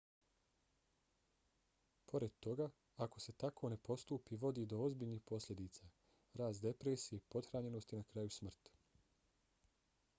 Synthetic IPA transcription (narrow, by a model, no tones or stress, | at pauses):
pʰo̞ɾe̞d̪̚t̪o̞ɡaː | ko̞se̞t̪akʰo̞ne̞po̞st̪uːpiʋo̞d̪iːd̪o̞ozbiːʎniːxpo̞slʎʲe̞d̪iːt̪sa | ɾaːst̪d̪e̞pɾeːsije̞po̞d̪xɾaːɲe̞no̞st̪inakɾajusmr̩t̪